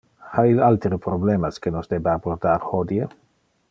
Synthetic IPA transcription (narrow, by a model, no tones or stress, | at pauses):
hailalt̪ɾepɾoblemaskenosd̪ebabort̪aɾhod̪je